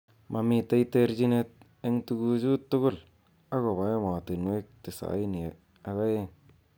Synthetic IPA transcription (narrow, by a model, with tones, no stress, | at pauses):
ma˨mi˨ta˦i˦te˦ɾd͡ʒi˦ne˦t̚ | e˦ŋtu˦ɡu˦d͡ʒu˦tːu˦ɡʊ˦˨l | a˦ko˨ba˨je˦ma˨ti˨nwe˦k̚ti˨sa̰˨˦i˦ni˨ | a˨ka˦je˦˨ŋ